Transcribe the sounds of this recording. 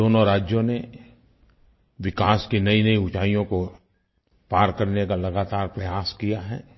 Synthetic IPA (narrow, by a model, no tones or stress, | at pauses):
oːnõɾaːd͡ʒjõne | ʋɪkaːskinɐinɐiʊt͡ʃaːijõko | paːɾkɐɾnekalɐɡaːt̪aːɾpɾɐjaːskijaɦɛː